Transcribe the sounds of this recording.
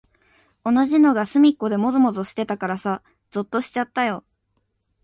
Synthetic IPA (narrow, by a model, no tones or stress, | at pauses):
o̞naʑino̞ɡasɨmʲikːo̞d̪e̞mo̞zomo̞zoɕi̥t̪e̞t̪akaɾasa | d͡zɨt̪ːo̞ɕi̥t͡ɕat̪ːajo̞